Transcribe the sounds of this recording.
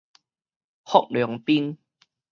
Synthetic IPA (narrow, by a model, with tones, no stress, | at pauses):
hɔ˦˨k̚ljɔ˨˦ŋpi˦n